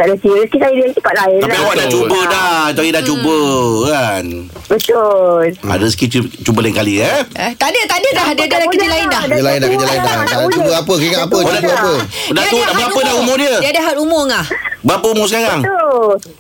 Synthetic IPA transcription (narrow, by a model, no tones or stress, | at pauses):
t̪aʔdəsiəsə̥kisajidiəsk̪ipaʔlaɪnapiawaʔdat͡ʃuədat̪ajidat͡ʃubəkanbət̪ola̰dəsə̥kit͡ʃubəlɪŋkaliət̪adət̪adədahddədakəd͡ʒilaɪndad͡ʒəlaɪndakkəd͡ʒilaɪndaadt͡ʃubəapəkiŋaapəodadəapədauaəapədahumʊdiədiadəɦat̪umʊŋahbəapəumʊsəkaɾaŋt̪o